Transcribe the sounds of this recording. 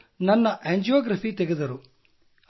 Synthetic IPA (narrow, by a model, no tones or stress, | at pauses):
nɐnːɐʔeːɲd͡ʒijoːɡɾɐfit̪eɡed̪ɐɾu